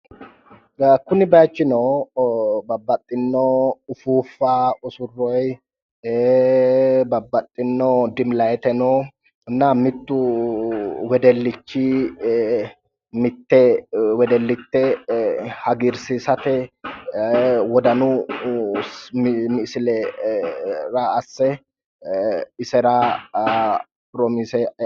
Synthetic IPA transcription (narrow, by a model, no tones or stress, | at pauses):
kʊnɪbɐjt͡ʃːɪno | bɐbːɐt̪ʼːɪnːoʊfuːfːaːʊsʊrːɔj | bɐbːɐt̪ʼːɪnːod̪ɪmlɐjɛt̪ɛno | nːamɪt̪ːʊ | wɛd̪ɛlːɪt͡ʃːi | mɪt̪ːɛwɛd̪ɛlːɪt̪ːɛ | hɐɡɪɾsisɐt̪ɛ | wɔd̪ɐnʊ | mɪʔsɪlɛ | ɾɐːsːɛ | ɪsɛɾa | pɾɔmɪsɛ